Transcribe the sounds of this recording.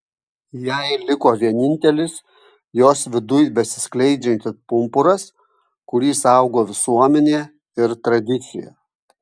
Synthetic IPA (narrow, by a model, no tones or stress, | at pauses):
jɛɪlʲɪkoːʋʲiɛnʲɪnʲt̪ʲɛlʲɪs | joːsʋʲɪd̪ʊjbʲɛsʲɪ̥sklʲɛɪd͡ʒʲɛnʲt̪ʲɪpʊmpʊɾɐs | kʊɾʲiːsɐʊɡoːʋʲɪsuɔmʲɛnʲeː | ɪɾt̪ɾɐd̪ʲɪt̪sʲɪjɛ̰